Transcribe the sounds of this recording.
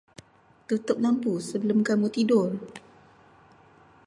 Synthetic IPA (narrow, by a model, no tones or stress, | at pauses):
t̪ut̪ʊp̚lampusəbəlʊmkamut̪idʊl